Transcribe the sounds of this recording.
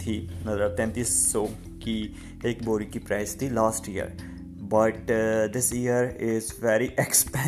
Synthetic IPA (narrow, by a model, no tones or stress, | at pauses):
t̪ʰinəd̪əɾt̪ɛ̃nt̪iːsːɔ | ki | eːkboːɾikipɾaɪst̪ʰilaːsʈijə̰ɾ | bɐʈd̪ɪsijəɾɪzʋɛɾiʔɛkspɛ̃